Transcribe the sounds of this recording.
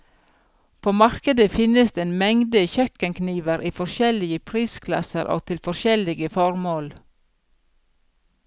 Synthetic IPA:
pʰoːmɑɾkəd̪əfɪnəsd̪eeːnmɛŋd̪əçœkənkniːʋəɾʔiːfɔʃɛlɪəpʰɾiːskʰlɑ̰səɾʔo̰ːɡ̚t̪ʰɪlfɔʃɛlɪɡəfɔɾmoːl

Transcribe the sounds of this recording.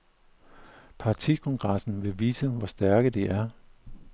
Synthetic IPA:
pʰɑ̈t͡sʰḭkʰɔ̽ŋɡ̥ʁɑsn̩ʋe̝ʋiːsəʋɒsd̥æɐɡ̥əd̥eʔæɐ

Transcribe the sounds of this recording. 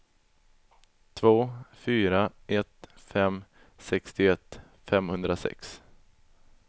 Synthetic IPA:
t̪ʰvoːfyːɾaʔɛt̪fɛm | sɛkst̪ɪɛt̪ː | fɛmhɵnd̪ɾasɛ̰ks

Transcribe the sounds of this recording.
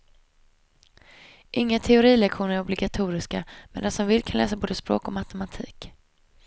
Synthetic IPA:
ʔɪŋːat̪ʰɛʊɾiːlɛkɧuːnəæɾɔblɪɡat̪ʰuːɾɪskamḛːd̪ansɔmvɪlkʰanlɛ̰ːsaboːd̪əspɾo̰ːkɔmat̪ɛmat̪ʰiːk

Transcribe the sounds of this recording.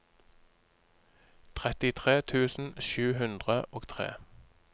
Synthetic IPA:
t̪ʰʁɛt̪ɪt̪ʰʁeːt̪ʰʉːsn̩ʃʉːɦʉnd̪ʁəʔoːɡt̪ʰʁḛː

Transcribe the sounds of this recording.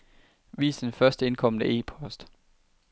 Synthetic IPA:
ʋḭːsən̩fɶɐsd̥əe̝nkʰɒ̽m̰ənəe̝̰ːpʰɒ̽sd̥

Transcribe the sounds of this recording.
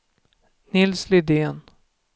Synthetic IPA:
nɪlslɪd̪eːn

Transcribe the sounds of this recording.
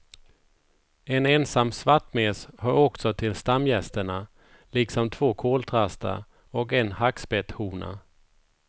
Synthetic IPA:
ɛnɛnsamːsvaʈːmeshaɾɔksɔt̪ʰɪlst̪amːjɛst̪əɳa | liksɔmt̪ʰv̥oːkʰoːlt̪ʰɾast̪a̰ | ɔkɛnhaksbɛt̪huːna̰

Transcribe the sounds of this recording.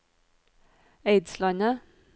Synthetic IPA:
eɪd̪slɑnə

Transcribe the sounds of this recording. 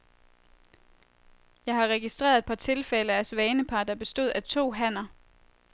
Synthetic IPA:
jɑ̈ɪɦɑ̈ʁɛɡ̥isd̥ʁḛɐðˠe̝d̥̚pʰɑ̈t͡sʰe̝lfeləæsʋɛːnəpʰɑ̈d̥ɑ̈b̥e̝sd̥o̝ð̰ˠæt͡sʰo̝̰ːɦæn̰ɐ

